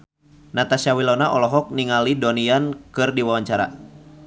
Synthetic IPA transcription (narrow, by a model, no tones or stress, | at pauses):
nat̪asawilɔnaʔɔlɔɦɔk̚niŋalidɔniankɨrdiwawaɲt͡ʃaɾa̰